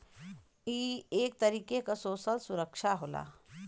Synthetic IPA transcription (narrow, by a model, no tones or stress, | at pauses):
ieːk̚t̪əɾiːkekasoːsəlsuɾəkʃaɦola̰